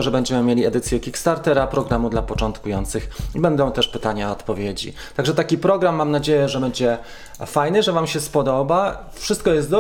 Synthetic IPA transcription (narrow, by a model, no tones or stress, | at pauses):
ɔʐɛbɛɲd͡ʑɛmɘmʲjelʲiɛd̪ɘt̪sʲjɛkʲikst̪aɾt̪ɛɾapɾɔɡɾamud̪lapɔt͡ʂɔnt̪kujɔnt̪sɘxibɛnd̪ɔ̃w̃t̪ɛʂpɘt̪aɲaɔt̪pɔvʲjed͡ʑḭ | t̪aɡʐɛt̪akʲipɾɔɡɾamːamnad͡ʑejɛʐɛbɛɲd͡ʑɛ | fajnɘʐɛvamɕɛspɔd̪ɔba | fʂɘst̪̚kɔjɛst̪d̪ɔ